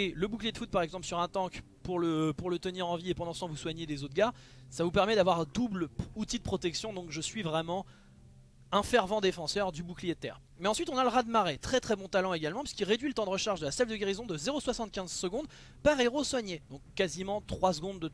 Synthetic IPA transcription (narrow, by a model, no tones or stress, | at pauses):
eləbuklijed̪fut̪̚paʁɛɡzɑ̃plsyʁɛ̃t̪ɑ̃k | puʁləpuʁlət̪əniʁɑ̃viepɑ̃d̪ɑ̃sət̪ɑ̃vuswaɲed̪ezot̪̚ɡaʁ | savupɛʁmɛd̪avwaʁd̪ublut̪id̪əpχɔt̪ɛksjɔ̃d̪ɔ̃kʒəsɥivʁɛmɑ̃ | ɛ̃fɛʁvɑ̃d̪efɑ̃sœʁd̪ybuklijet̪ɛːʁ | mɛɑ̃sɥit̪ɔ̃naləʁad̪maʁet̪χɛt̪χɛbɔ̃t̪alɑ̃eɡalmɑ̃pɥiskilʁed̪ɥilət̪ɑ̃d̪əʁəʃaʁʒd̪əlasɛvd̪əɡʲeʁizɔ̃d̪əzeʁoswasɑ̃t̪̚kʲɛ̃zsəɡɔ̃d̪ | paʁeʁoswaɲed̪ɔ̃kːazimɑ̃t̪χwasɡɔ̃d̪ːə